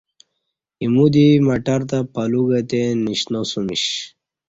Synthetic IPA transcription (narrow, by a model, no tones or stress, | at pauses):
imud̪imaʈaɾt̪apaluɡat̪eniɕnosumiɕ